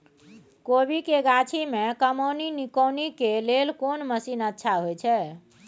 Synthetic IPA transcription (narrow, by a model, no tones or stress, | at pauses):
kobikeɡat͡ʃʰimekəmoninikəwnikelelkonməsinətːʃʰaɦojt͡ʃʰɛ